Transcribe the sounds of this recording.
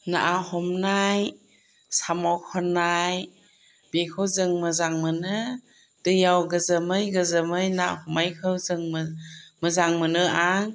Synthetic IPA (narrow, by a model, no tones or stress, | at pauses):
na̰ʔahɔmnaj | samɔkʰɔnaj | bekʰɯwzɯŋmɯzaŋmɯnɯ | d̥ɯjawɡɯzɯmɯjɡɯzɯmɯjnahɔmajkʰɯwzɯŋmmɯzaŋmɯnɯʔaŋ